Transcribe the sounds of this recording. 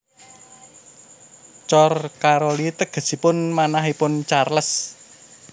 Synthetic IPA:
t͡ʃɔrkaɾolit̪əɡ̥ə̤sipʊnmanaɦipʊnt͡ʃarləs

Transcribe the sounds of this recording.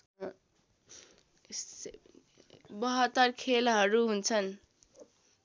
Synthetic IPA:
bʌɦʌt̪ːʌrkʰelɦʌɾuɦunt͡sʰʌn

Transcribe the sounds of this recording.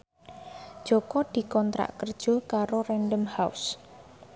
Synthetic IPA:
d̥ʒ̥ɔkɔd̪̥i̤kɔnt̪ɾa̰ʔkərd̥ʒ̥o̤kaɾorɛnɖəmhaʊ̰s

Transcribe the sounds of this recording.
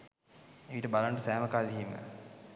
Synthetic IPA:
eʋiʈəbalaɳʈəsæːməkaːliɦimə̰

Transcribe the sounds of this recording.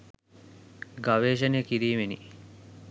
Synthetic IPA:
ɡaʋeːʃ̬ənejəkiɾiːmenḭ

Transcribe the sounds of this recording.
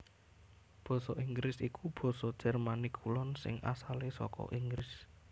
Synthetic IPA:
b̥ɔ̤sɔʔiŋɡɾɪsikub̥ɔ̤sɔd̥ʒ̥ɛ̤rmanikʰulɔnsɪ̰ŋʔa̰salesɔ̰kɔ̰ʔiŋɡɾɪs

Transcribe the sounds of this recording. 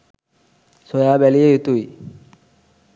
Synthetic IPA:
sojabɛliejut̪uj

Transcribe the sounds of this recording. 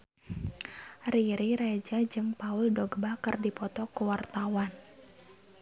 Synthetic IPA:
riɾiɾad͡ʒad͡ʒɨŋpauldɔɡbakɨrdipɔt̪ɔkuwart̪awan

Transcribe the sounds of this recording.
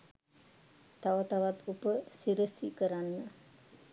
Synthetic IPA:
t̪aʋət̪aʋat̪upəsiɾəsikəɾanːə

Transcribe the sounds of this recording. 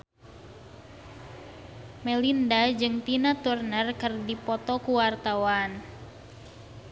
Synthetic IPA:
melindad͡ʒɨŋt̪inat̪urnərkərdipɔt̪ɔkuwart̪awan

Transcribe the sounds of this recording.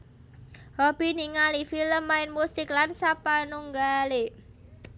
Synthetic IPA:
hɔb̥i̤niŋalifiləmːaɪnmusɪklansapanuŋɡale

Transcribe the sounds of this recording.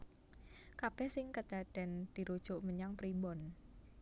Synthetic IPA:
kab̥ɛhsɪŋkəd̪̥a̤d̥ɛ̤nd̪̥i̤ɾud̥ʒ̥ʊʔməɲaŋpɾimbɔn

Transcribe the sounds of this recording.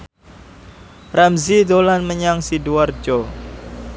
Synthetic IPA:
ramzid̪olanməɲaŋsiduard͡ʒɔ

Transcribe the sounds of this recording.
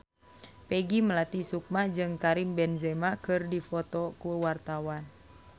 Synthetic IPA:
pɛɡiməlat̪isuk̚mad͡ʒɨŋkaɾimbɛnzɛmakɨrdifɔt̪ɔkuwart̪awan

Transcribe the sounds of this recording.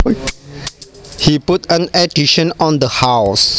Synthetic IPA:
hiputə̃nɛdiʃə̃nɔ̃nd̪əhaws

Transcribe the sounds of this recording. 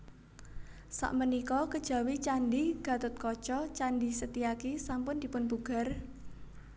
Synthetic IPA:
sa̰ʔmənikɔkəd̥ʒ̥ä̤wit͡ʃanɖiɡ̥ä̤t̪ʊt̪̚kɔt͡ʃɔt͡ʃanɖisət̪iakisampʊnd̪̥i̤pʊnbuɡ̥a̤r

